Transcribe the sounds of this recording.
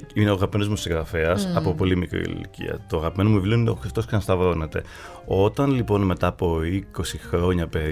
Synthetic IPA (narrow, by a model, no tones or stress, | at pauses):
ine̞oɣɐpimeno̞zmosiɣɾɐfeɐsɐpo̞po̞limikɾḭl̰lḭcḭɐ̰t̪oɐɣɐpime̞nomuivlionineoxɾift̪o̞sksɐnst̪ɐvɾo̞net̪e̞̰ | o̞t̪ɐnlipo̞nme̞t̪ɐːpo̞iko̞sixɾo̞ɲɐpe̞